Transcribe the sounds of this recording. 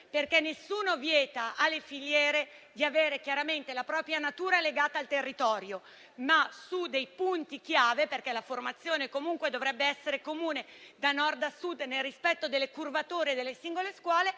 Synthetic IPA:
perkɛnːesːuːnovjɛːt̪aʔalːefiʎːɛːɾed̪iaveːɾekjaɾament̪elapɾɔːpɾjanat̪uːɾaleɡaːt̪aːlt̪erːit̪ɔːɾjo | masud̪ejpunt̪ikjaːveperkɛlaformat̪sːjoːnekomuŋkwed̪ovɾɛbːeɛsːeɾekomuːned̪anɔrd̪asud̪nelrispɛt̪ːod̪elːekurvat̪oːɾed̪elːesiŋɡoleskwɔːle

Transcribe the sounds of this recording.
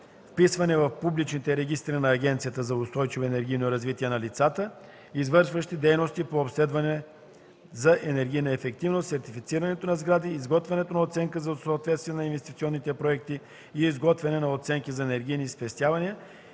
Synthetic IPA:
fpisvɐnɛvɐfpublit͡ʃnit̪ɛɾɛɡ̟ʲist̪ɾinɐːɡʲɛnt̪sijət̪əzɐʊst̪ɔjt͡ʃivoɛnɛɾɡʲijnoɾɐzvit̪iɛnɐlit̪sat̪ə | izvɤɾʃvəʃt̪id̪ɛjnost̪ipoːpslɛd̪vɐnɛ | zɐʔɛnɛɾɡʲijnɐɛfɛk̚t̪ivnost̪sɛɾt̪ifit̪siɾɐnɛt̪onɐzɡɾad̪iːzɡɔt̪vʲɛnɛt̪onɐot̪sɛŋkəzɐsoɐt̪vɛt̪st̪viɛnɐinvɛst̪it̪siɔnːit̪ɛpɾoɛk̚t̪i | iːzɡɔt̪vɛnɛnɐot̪sɛŋkizɐɛnɛɾɡʲijnispɛst̪ʲjavɐniə

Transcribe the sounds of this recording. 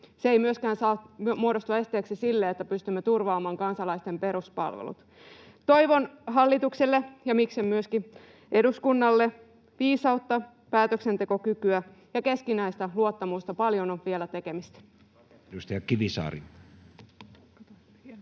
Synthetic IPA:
seeijmyøskæːnsɑːmuodo̞st̪ue̞st̪eːksesilːeːet̪ːæpyst̪ymːet̪urʋɑːmɑːŋkɑnsɑlɑist̪e̞mpe̞ɾuspɑ̰lʋḛlṵt̪ | t̪o̞jʋo̞nɦɑlːit̪ukselːejɑmiksemmyøski | ʔe̞duskunːɑlːe | ʋiːsɑut̪ːɑ | pæːt̪øksent̪e̞ko̞kykyæ | jɑke̞skinæist̪æluot̪ːɑmust̪ɑpɑljo̞noʋʋielæt̪e̞ke̞mist̪æ̥ | just̪ɑjɑkiʋisɑ̰ːɾḭ

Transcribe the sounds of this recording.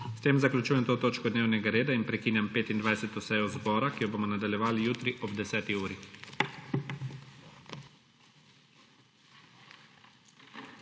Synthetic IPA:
st̪eːmzaklʲut͡ʃuːjɛmt̪oːt̪oːt͡ʃkɔd̪neːwnɛɡaɾeːd̪ainpɾɛkiːnjampeːt̪ind̪ʋajsɛt̪ɔsɛjɔzbɔːɾakijɔboːmɔnad̪aljɛʋaːlijuːt̪ɾiʔɔbd̪ɛsɛːt̪iuːɾi

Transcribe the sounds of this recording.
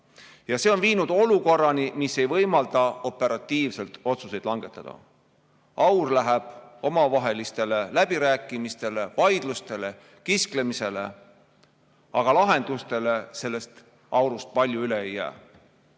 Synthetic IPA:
jɑseo̞nviːnud̪̥o̞luko̞rːɑnimisːe̞jvɤjmɑld̪̥ɑo̞pːe̞ɾɑt̪ːˑiːvse̞lt̪o̞t̪suse̞jd̪̥lɑŋɡ̥e̞t̪ːˑɑd̪̥ɑ̰ | ɑwrlæɦeb̥o̞mɑvɑɦe̞list̪e̞lelæb̥iɾæːkːˑimist̪e̞le̞vɑjd̪̥lust̪e̞le̞ | kisklemise̞lḛ | ɑɡ̥ɑlɑɦe̞nd̪̥ust̪e̞le̞se̞lːe̞st̪ | ɑwɾust̪̚pɑlʲjuyleejːæ̰ː

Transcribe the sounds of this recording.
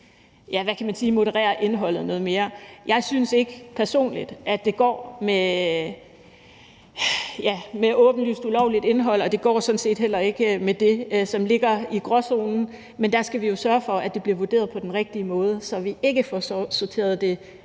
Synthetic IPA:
jæʋækʰæmænsiːmo̝ɾəʁɛ̰ːɐʔe̝nɦɒ̽l̰ð̞̩ˠnɔ̽ːð̞̩ˠme̝ːɐjɑ̈ɪsynse̝ɡ̥əpʰæɐso̝̰ːnlid̥ʔæ̥d̥e̝ɡ̥ɒ̰ːme | jæmeʔɔ̽ːb̥n̩ly̰ːsd̥ulɒʊlid̥e̝nɦɒ̽l̰ɒ̽d̥e̝ɡ̥ɒ̰ːsɒ̽n̩se̝̰ːd̥ɦel̰ɐe̝ɡ̥əmed̥e̝sɒ̽mle̝ɡ̥ɐiɡ̥ʁɒso̝ːnn̩ | mend̥æsɡ̥æʋijo̝sɶɐfɒ̽æd̥e̝b̥liɐʋode̝ːɐð̞̩ˠpʰɒ̽d̥enʁɛɡ̥̚d̥iəmɔ̽ːð̞ˠəsɒ̽ʋie̝ɡ̥əfɒssoɐt͡sʰe̝̰ːɐð̩ˠd̥e̝

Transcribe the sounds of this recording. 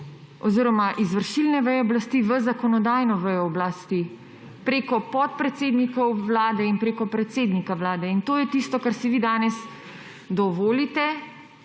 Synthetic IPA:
ɔziɾɔmaʔizʋəɾʃilnɛʋəjɛɔblast̪iʋəzakɔnɔd̪aːjnɔʋəjɔːblast̪i | pɾeːkɔpɔt̪̚pɾɛt̪seːd̪nikɔwʋlaːd̪ɛinpɾeːkɔpɾɛt̪seːd̪nikawlaːd̪ɛint̪oːjɛt̪iːst̪ɔkaɾsiʋid̪aːnɛs | d̪ɔʋoːlit̪ɛ

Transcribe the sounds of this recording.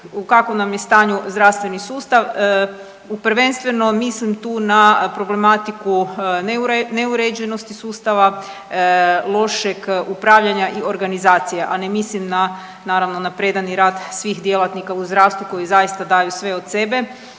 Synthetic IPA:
ukakonamjest̪aːɲuzd̪ɾaʋst̪ʋe̞nisuːst̪aʋ | upɾʋe̞nst̪ʋe̞no̞mislimt̪uːnapɾo̞ble̞mat̪ikunneuɾed͡ʒeno̞st̪isuːst̪aʋa | lˠo̞ʃeɡupɾaʋʎaɲaʔio̞ɾɡanizaːt̪sijeʔanemislimna | naːɾaʋno̞napɾe̞d̪aniɾaːd̪sʋixd̪je̞lˠat̪nikauzd̪ɾaːʋst̪ʋuko̞jizajist̪ad̪ajusʋe̞o̞d̪sebe̞

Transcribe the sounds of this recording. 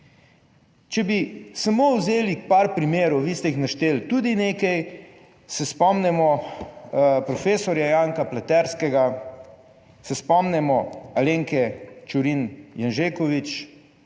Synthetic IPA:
t͡ʃɛbisamowzeːlikpaɾpɾimeːɾuʋist̪ɛixnaʃt̪eːlt̪uːd̪ineːkɛj | sɛspɔmnɛmɔ | pɾɔfeːsɔɾjajaːŋkaplat̪ɛɾskɛɡa | sɛspɔmnɛmɔaleːŋkɛt͡ʃuɾinjanʒeːkɔʋit͡ʃ

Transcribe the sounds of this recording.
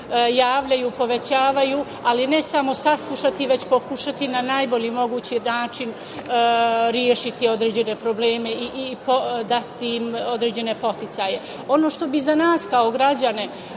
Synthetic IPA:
jaːʋʎajupo̞ʋe̞t͡ɕaːʋaju | aline̞samo̞saslˠuʃat̪iʋe̞t͡ɕpo̞kuʃat̪inanajbo̞ʎimo̞ɡuːt͡ɕinaːt͡ʃin | ɾjeʃit̪io̞d̪ɾe̞ːd͡ʑe̞ne̞pɾoble̞ːme̞iʔipod̪at̪imo̞d̪ɾe̞ːd͡ʑe̞ne̞po̞t̪it̪saje̞ | o̞no̞ːʃt̪o̞bizanaːskaoɡɾad͡ʑane̞

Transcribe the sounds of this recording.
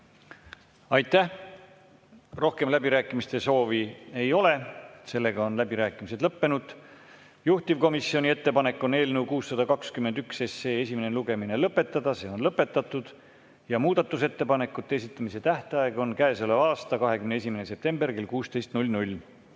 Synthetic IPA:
ɑjt̪ːæh | ro̞hke̞mlæbiɾæːkːˑimist̪e̞so̞ːvie̞jo̞lese̞lːe̞ɡ̥ɑo̞nlæbiɾæːkːˑimis̬e̞d̪̥lɤpːe̞nud̪̥ | juht̪ivko̞misːio̞nʲie̞t̪ːe̞pɑne̞kːˑo̞ne̞ːlnewkuːsːɑd̪̥ɑkɑkskymend̪ykse̞se̞ːesʲimene̞luɡ̥e̞mine̞lɤpːˑe̞t̪ːˑɑd̪ɑse̞ːo̞nlɤpːˑe̞t̪ːˑɑt̪ːˑud̪̥ | jɑmuːd̪̥ɑt̪ːˑuse̞t̪ːe̞pɑne̞kːˑut̪ːees̬it̪ːˑɑmise̞t̪æht̪eɑeɡ̥o̞nkæeseleɑːst̪ɑkɑɦe̞kymnee̞sʲimenese̞p̚t̪e̞mberke̞lkuːst̪e̞jst̪nulʲnulʲː

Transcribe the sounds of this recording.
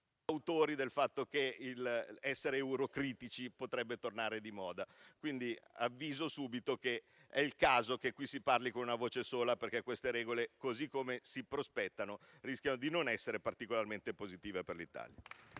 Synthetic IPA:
awt̪oːɾid̪elfat̪ːokeilɛsːeɾeːuɾokɾiːt̪it͡ʃipot̪ɾɛbːet̪ornaːɾed̪imɔːd̪akwind̪ia̰vːiːzosuːbit̪oke | ɛilkaːzokekwisiparlikonunavoːt͡ʃesoːlaperkekːwest̪eɾɛːɡolekozikːomesipɾospɛt̪ːanorisk̟janod̪inonɛsːeɾepart̪ikolarment̪epozit̪iːveperlit̪a̰ːlja̰

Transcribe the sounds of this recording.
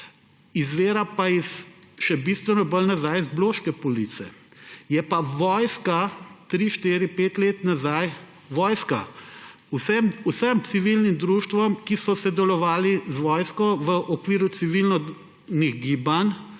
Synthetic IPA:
izʋeːɾapaisʃɛbist̪ʋɛnɔbəlnazajzbloːʃkɛpɔlit̪sɛ̰jɛpaʋɔjskat̪ɾiːʃt̪iːɾipeːt̪leːt̪nazaj | ʋɔːjska̰ | usɛmusəmsiʋilnimd̪ɾuːʃt̪ʋɔmkisɔsɛd̪ɛlɔʋaːlizʋɔːjskɔʋəʔɔkʋiːɾut̪siʋilnɔ | niɣɡiːban

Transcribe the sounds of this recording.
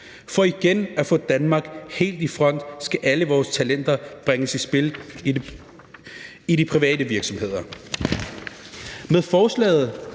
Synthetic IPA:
fɒ̽iɡ̥enæfɔ̽d̥ænmɑ̈ɡ̥he̝̰ːld̥ifʁɒ̽n̰d̥sɡ̥æʔæləʋɒːst͡sʰælen̰d̥ɐb̥ʁeŋəsisb̥e̝l | iɾipʰʁiʋɛ̰ːd̥əʋiɐɡ̥sɒ̽mhe̝ð̞̰ˠɐ | meðˠfɒːslɛ̰ːð̩ˠ

